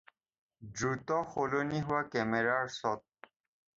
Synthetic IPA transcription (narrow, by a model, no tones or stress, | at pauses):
dɹut̪ɔxoloniɦʊwakɛmɛɹaɹsɔt̪̚